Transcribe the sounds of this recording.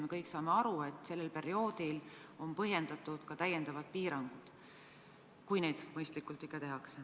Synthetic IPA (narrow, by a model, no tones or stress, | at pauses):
me̞kɤjksɑːme̞ɑɾue̞t̪ːˑse̞lːelpe̞ɾio̞ːd̪̥ilo̞npɤɦje̞nd̪ɑt̪ːˑud̪̥kɑt̪æjend̪ɑvɑd̪̚piːɾɑŋɡ̥ud̪̥ | kujneːd̪̥mɤjst̪likˑult̪ˑikːˑɑt̪e̞ɦɑkse